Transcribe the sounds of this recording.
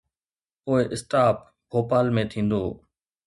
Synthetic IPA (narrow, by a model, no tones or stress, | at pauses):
poːɪʔɪsʈaːp | bʱoːpaːlmẽːt̪ʰĩːn̆d̪oː